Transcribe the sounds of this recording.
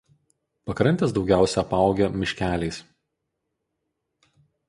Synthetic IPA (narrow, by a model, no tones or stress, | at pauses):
pɐkɾɐnʲt̪ʲɛˑsd̪ɒʊɡʲæˑʊsʲɛɐpɑˑʊɡʲɛmʲɪʃʲkʲæːlʲɛɪs